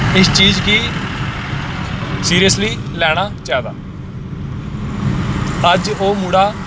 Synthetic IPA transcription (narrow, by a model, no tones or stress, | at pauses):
ɪst͡ʃiːd͡ʒkiː | siːɾijəsliːlɛːɽ̃aːt͡ʃaːd̪a̰ː | əd͡ʒoːmuːɽaː